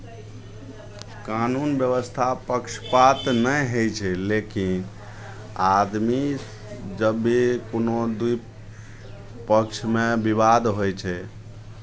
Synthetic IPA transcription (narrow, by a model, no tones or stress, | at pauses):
kanunbjəβəst̪ʰapəkʃʰpat̪nəjɦəjt͡ʃʰɛlekin | ad̪mi | d͡ʒəbːikonod̪uj | pəkt͡ʃʰmebibad̪ɦojt͡ʃʰɛ